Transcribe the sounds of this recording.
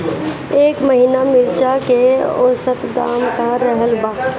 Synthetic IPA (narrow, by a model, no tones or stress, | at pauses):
eːkməɦinamɪɾt͡ʃakeo̰ːsət̪d̪a̰ːmkaɾɛɦəlbaː